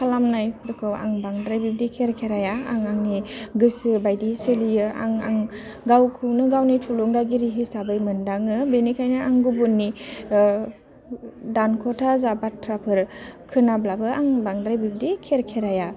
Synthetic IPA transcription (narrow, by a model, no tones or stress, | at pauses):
kʰalamnajpʰɾɯkʰɯwa̰ŋbaŋdɾajbib̚dikʰeɾkʰeɾajaaŋaŋniɡɯsɯbajdiselijɯa̰ŋa̰ŋ | ɡawkʰɯnɯɡawnitʰulɔŋɡaɡiɾiɦisabɯjmɯndaŋɯbenikʰajnɯaŋɡubunːi | dankʰɔtʰazabatʰːɾapʰɯɾkʰɯnablabɯaŋbaŋdɾajbib̚dikʰeɾkʰeɾaja